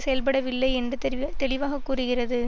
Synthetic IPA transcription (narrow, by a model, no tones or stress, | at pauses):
sɛjɐlpɐɽɐʋɪlːɐɪɛndrɯt̪ɛɭɪʋaːɣɐkːuːrɯɣɪrɐðɯ